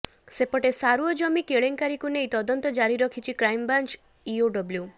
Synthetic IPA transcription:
sepɔʈesaɾuɔd͡ʒɔmikeɭeŋkaɾikunejt̪ɔd̪ɔnt̪ɔd͡ʒaɾiɾɔkʰit͡ʃʰikɾajmbant͡ʃ | ioɖɔblju

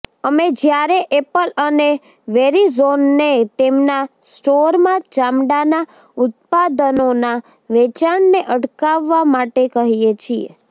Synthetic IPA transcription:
əmed͡ʒjaɾeʔepələne | ʋeɾizonːet̪emnasʈoɾmãd͡ʒamɖana | ʊt̪̚pad̪ənona | ʋet͡ʃaɳneʔəʈkaʋːamaʈekəɦijet͡ʃʰiḛ

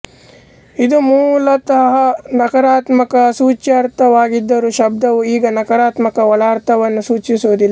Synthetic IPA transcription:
id̪umuːlɐt̪ɐɦɐnɐkɐɾaːt̪mɐkɐsuːt͡ʃaɾt̪ʰɐʋaːɡid̪ːɐɾuʃɐb̚d̪ɐʋuiːɡɐnɐkɐɾaːt̪mɐkɐʋɐlaːɾt̪ʰɐʋɐnːusuːt͡ʃisuːd̪ilːa

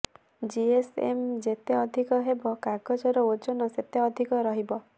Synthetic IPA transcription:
d͡ʒiesḛmd͡ʒet̪eɔd̪ʱikɔɦebɔkaɡɔt͡ʃɔɾɔot͡ʃɔnɔset̪eɔd̪ʱikɔɾɔɦibɔ

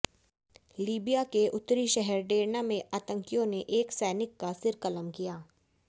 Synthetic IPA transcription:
liːbijakeʔʊt̪ːɾiʃɛɦɛɾɖeːɾnamẽʔaːt̪ə̃ŋkijõneʔeːksɛːnɪkːasɪɾkələmkijaː

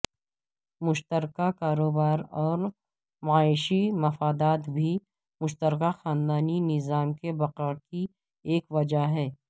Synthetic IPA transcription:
mʊʃt̪əɾkakaːɾoːbaːɾɔːɾ | maːɪʃimɐfaːd̪aːt̪bʱi | mʊʃt̪əɾkaxaːnd̪aːninɪzaːmkebɐqəɽki | eːkʋɐd͡ʒaɦɛː

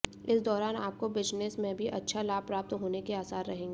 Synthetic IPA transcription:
ɪsd̪ɔːɾaːnaːp̚kobɪd͡ʒnɪsmẽbʱiʔɐtːʃʰalaːpɾaːp̚t̪ɦoːnekeaːsaːɾɾɐɦẽːŋɡeː

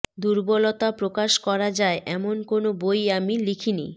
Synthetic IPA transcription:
d̪uɾbɔlɔt̪apɾokaʃkɔɾad͡ʑaeʔɛmonkonobojamilikʰinḭ

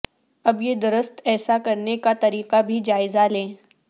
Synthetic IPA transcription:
ɐbjed̪ʊɾəst̪ɛːsakɐɾnekat̪ɐɾiːqabʱid͡ʒaːɪzalẽː

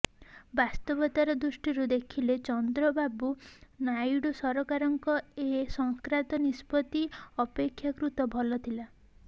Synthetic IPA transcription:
bast̪ɔbɔt̪aɾɔd̪ɾusʈiɾud̪ekʰilet͡ʃɔnd̪ɾɔbabunajɽusɔɾɔkaɾɔŋkɔesɔŋkɾat̪ɔnispɔt̪iɔpekʰːjakɾut̪ɔbʱɔlɔt̪ʰila

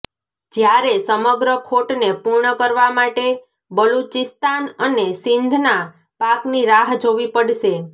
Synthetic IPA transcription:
d͡ʒjaɾesəməɡɾəkʰoʈnepuɾɳəkəɾʋamaʈe | bəlut͡ʃɪst̪anənesɪnd̪ʱna | pakniɾaɦd͡ʒoʋipəɽʃe

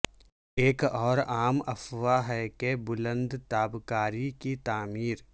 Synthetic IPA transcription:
eːkɔːɾaːmɐ̰fʋaɦɛkebʊlə̃nd̪t̪aːbkaːɾikit̪aːmiːɾ

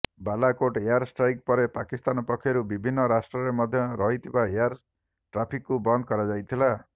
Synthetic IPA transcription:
balakoʈeaɾsʈɾajk̚pɔɾepakist̪anɔpɔkʰːjɔɾubibʱinːɔɾasʈɾɔɾemɔd̪ʱjɔɾɔɦit̪ʰibaejaɾ | ʈɾapʰikːubɔnd̪̚ʱkɔɾad͡ʒajt̪ʰila

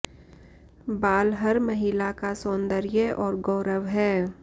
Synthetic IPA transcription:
baːlɦɐɾmɐɦɪlakasõːnd̪əɾjəʔɔːɾɡɔːɾəʋɦɛː

